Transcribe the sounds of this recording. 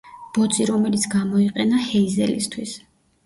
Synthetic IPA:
b̥ɔt̪sʼiɾɔmɛlit̪sʰɡamɔiqʼɛnahɛizɛ̰lḭst̪ʰwis

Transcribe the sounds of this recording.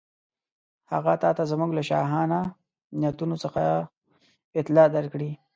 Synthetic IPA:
haɣat̪ɑt̪azamuɡlaʃɑ̰ɦɑna | njat̪unosəxa | ɪt̪lɑd̪aɾkɽi

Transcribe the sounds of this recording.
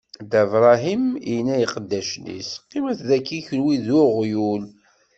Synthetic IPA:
d̪ævɾˤɑɦiminːæjiqəd̪ːæʃnḭsqːimæθðækːiçəlwiðuʁjul

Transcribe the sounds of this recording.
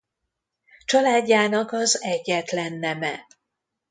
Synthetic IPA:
t͡ʃɒlaːɟːaːnɒkɒzɛɟːɛt̪lɛnːɛmɛ

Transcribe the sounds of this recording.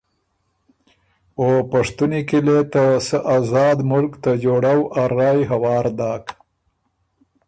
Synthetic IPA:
opaʂt̪unikilet̪asəʔazɑːd̪mʊlkt̪ad͡ʒoɽawʔaɾɑːjɦawɑːɾd̪ɑːk

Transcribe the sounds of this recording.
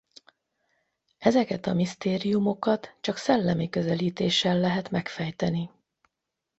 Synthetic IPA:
ɛzɛkɛt̪ɒmist̪eːɾijumo̞kɒt̪t͡ʃɒksɛlːɛmikø̞zɛliːt̪eːʃɛlːɛɦɛt̪mɛkfɛjt̪ɛni

